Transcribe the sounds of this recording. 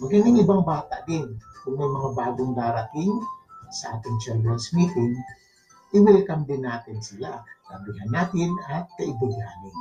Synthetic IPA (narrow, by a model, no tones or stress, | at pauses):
mɐɡinɪŋibaŋbaːt̪aʔd̪ɪnkʊŋmɐjmɐŋabaːɡʊŋd̪aːɾat̪ɪnsɐʔa̰ːt̪ɪŋt͡ʃɛldansmit̪ɪŋ | ʔiwɪlkamd̪ɪnːaːt̪ɪnsilakabiɦanːaːt̪ɪnat̪̚kɐibɪɡanɪn